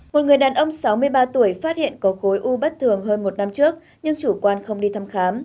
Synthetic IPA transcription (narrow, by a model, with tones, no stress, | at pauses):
mo˨˩t̚ŋɨ˨˩əjɗaː˨˩nʔə˧wŋ͡msa˨˦wmɨ˧əjɓaː˧t̪u˧˩əjfaː˦˥t̚hḭ˧˨ənkɔ˨˦xo˨˦jʔu˧ɓə˦˥t̚t̪ʰɨ˨˩əŋɦəː˧nmo˨˩t̚na˧mt͡ɕɨ˦˥ək̚ | ɲɨ˧ŋt͡ɕu˧˩kwaː˧nxə˧wŋ͡mɗi˧t̪ʰa˧mxaː˨˦m